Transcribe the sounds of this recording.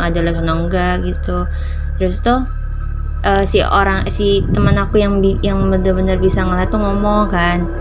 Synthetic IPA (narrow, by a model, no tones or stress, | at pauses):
ŋadalaht͡ʃonoŋɡaɡit̪u | t̪ɾʊst̪ʊh | ʔəːsio̰ɾaŋsit̪əmənakujaŋbijaŋbənərbənərbisaŋəlat̪uŋɔmɔŋkan